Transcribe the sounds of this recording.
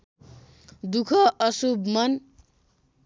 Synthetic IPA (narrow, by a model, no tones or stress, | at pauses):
d̪ukʰʌʔʌsubmʌn